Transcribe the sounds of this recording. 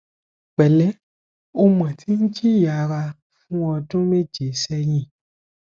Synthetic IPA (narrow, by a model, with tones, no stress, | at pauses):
k͡pɛ˨lɛ˨˦ | o˧mã˨tʰi˨˦n̩˦d͡ʒi˦˨ja˨ɾa˧ | fũ˦ɔ˧dũ˦me˦d͡ʒe˨˦sɛ˧j̃ĩ˨